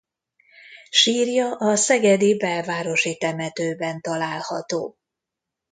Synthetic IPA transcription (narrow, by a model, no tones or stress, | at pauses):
ʃiːrjɒʔɒsɛɡɛd̪ibɛlvaːɾo̞ʃit̪ɛmɛt̪øːbɛnt̪ɒlaːlhɒ̰t̪o̰ː